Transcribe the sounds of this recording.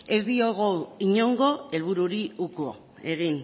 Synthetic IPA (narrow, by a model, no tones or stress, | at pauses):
e̞zd̪ioɣ̞owiɲoŋɡo̞e̞lβ̞uɾuɾiukuo̰ | e̞ɣin